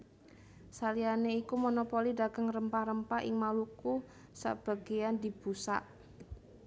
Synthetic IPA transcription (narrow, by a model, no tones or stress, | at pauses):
salianeikumonopolidaɡ̥əŋrəmpaɾəmpaɪŋmaluku | sa̰b̥a̤ɡ̥e̤jand̪i̤b̥usa̰ʔ